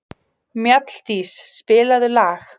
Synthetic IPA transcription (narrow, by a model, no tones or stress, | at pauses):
mjat̪l̥t̪isːpɪːlaðʏlaːx